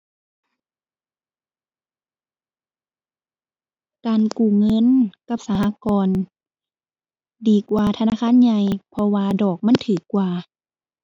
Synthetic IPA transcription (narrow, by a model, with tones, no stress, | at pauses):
kaː˨˩nkuː˧˩ŋɤ˧˥˨nka˧˩p̚sa˧ha˧˥˨kɔː˨n | diː˨˩kwaː˧t̪ʰa˧naː˧˥˨kʰaː˧˥˨nɲa˧jpʰɔ˧waː˧dɔː˨˩k̚ma˧˥˨nt̪ʰɯː˨˩kːwaː˧˩